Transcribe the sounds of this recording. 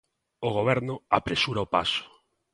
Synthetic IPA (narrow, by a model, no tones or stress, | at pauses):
oɣ̞oβ̞ɛɾnʊa̰pɾesuɾaopa̰sʊ̥